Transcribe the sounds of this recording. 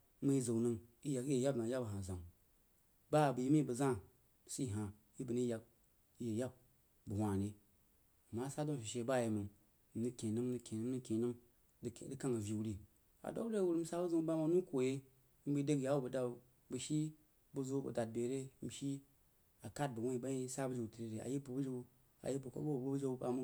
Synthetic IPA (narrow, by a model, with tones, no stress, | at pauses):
mə˦i˦zo˨wnɨ˦ŋi˦ja˨ki˦je˨ja˦bna˨˦ja˦bɦa˨zã˨ŋ | ba˦˨bə˨ji˦mi˦bə˨zã˦˨ | si˦˨ɦa˨ | i˦bɨ˨ni˦ja˨k̚ | i˦je˨ja˦b̚ | bu˨hʷa˨ne˦ | a˨mːa˦sa˦do˦m˨ʃi˨ʃe˨ba˦˨je˨mɨ˨n | m̩˨nɨ˦kʲe˨nɨ˦m˦nɨ˦kʲe˨nɨ˦nɨ˦kʲe˨nɨ˦m | ddɨ˦ka˦ŋa˨vi˨wu˦ɾi˦˨ | a̰˨do̰˦ɾe˦˨wu˦ɾi˦m̩˦sa˦bu˦zu˦m˦ba˦ma˦nu˦ko˨je˦ | m̩˦bə˦de˦kja˦wu˦bə˨da˨ | bə˨ʃi˦ | bu˦zo˦bə̰˨da˨d̚be˨ɾe˦m̩˨ʃi˦ | a˨ka˦t̚bə˨wo˦i˨ba˦i˦sa˦bə˦d͡ʒi˨ti˨ɾe˦ɾe˨a̰˨ji˦bu˨bu˦d͡ʒi˦u˦ | a̰˨ji˦bu˨ko̰˦bo˦bu˨bu˦bu˦d͡ʒe˦u˦ba̰˨mu˦